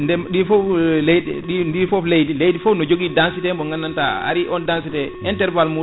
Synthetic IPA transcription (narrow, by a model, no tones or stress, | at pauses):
ndɛɗifɔlejdɛɗindifɔflejdilejdifɔnɔd͡ʒoɡidansitɛmbɔŋɡanːantaa̰ɾiʔɔndansitɛ | ɛntɛɾvalmu